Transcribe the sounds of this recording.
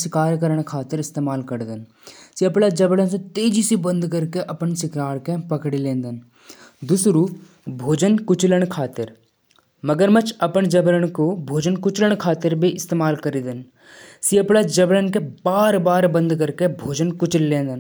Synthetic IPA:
sɪkaːɾkəɾəɽ̃kʰaːt̪ɪɾɪst̪eːmaːlkəɾd̪ən | siɐpɽad͡ʒɐblənsẽt̪eːd͡ʒisibə̃nd̪kəɾkeʔɐpənsɪkɾaːɾkepɐkɽilẽːnd̪ən | d̪ʊsɾuː | bʱoːd͡ʒənkʊt͡ʃləɽ̃kʰaːt̪ɪɾ | məɡəɾmət͡ʃɐpəɳd͡ʒəbləɽ̃kobʱoːd͡ʒənkʊt͡ʃləɽ̃kʰaːt̪ɪɾbʱiʔɪst̪eːmaːlkəɾid̪ən | siɐpɽad͡ʒɐblənkebaːɾbaːɾbə̃nd̪kəɾkebʱoːd͡ʒənkʊt͡ʃllẽːnd̪ən

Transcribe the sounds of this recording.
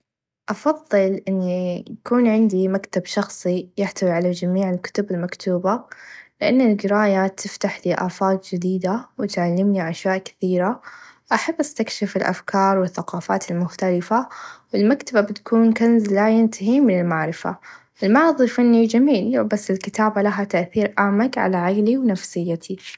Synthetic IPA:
ʔɑfɑðˤːɨlʔɪnːijakuːnʕɪnd̪imakt̪abʃɑxsˤijɪħt̪awiʕalad͡ʒamiːʕɪlkʊ̥t̪ʊbɪlmakt̪ʰuːbalɪʔanːɪlɡɪɾaːjat̪ʰɪft̪aħliʔaːfaːt̪d͡ʒɪd̪iːd̪awɪt̪ʕalːɪmniʕaʃjaːʔkɪ̥θiːɾaʔaħabːʔast̪akʃɪfɪlʔa̰fkɑːɾˤwɪθːaqɑːfa̰ːt̪ɪlmʊxt̪alɪfawɪlmakt̪ababɪt̪kuːnkanzlajɪnt̪aɦimɪnɪlmaʕɾɪfa̰ | ʔɪlmɑʕðˤifanːid͡ʒamiːlbasːɪlkɪt̪aːbalaɦat̪aʔθiːɾʔaːmakʕa̰laʕaɡliwnafsɪjːat̪ʰi

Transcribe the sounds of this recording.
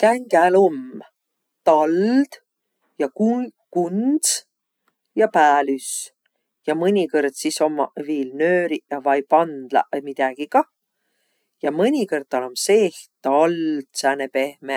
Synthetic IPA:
kæŋɡ̥æːlom | t̪ɑld̪̥ | jɑk | kund̪s | jɑpæːlys | jɑmɯnʲikɤrd̪̥siso̞mːɑviːlnøːɾiʔɑvɑjpɑnd̪̥lɑ̰ʔmid̪̥æɡ̥iɡɑ | jɑmɯnʲikɤrt̪̚t̪ːɑlomseht̪ɑld̪̥sænepe̞hme

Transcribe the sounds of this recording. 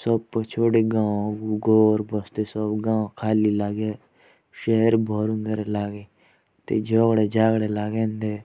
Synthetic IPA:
səbt͡ʃʰoːɽeɡãːɡuɡoːɾbəst̪esəbɡãːkʰaːlilaːɡe | ʃeɦəɾbʱɔːɾũnd̪eɾelaːɡe | t̪ḛd͡ʒoːɡɽed͡ʒaːɡɽelaːɡẽːnd̪eː

